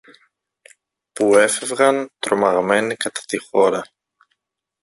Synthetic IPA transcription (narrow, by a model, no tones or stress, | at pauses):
pue̞fe̞vɣɐnt̪ɾo̞mɐɣme̞nikɐt̪ɐ̥t̪ixo̞ɾɐ